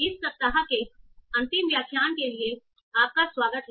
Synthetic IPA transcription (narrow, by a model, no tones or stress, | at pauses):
ɪspɐp̚t̪aɦakeɐ̃nt̪ɪmʋjaːkʰjaːnkelie | aːp̚kaswaːɡət̪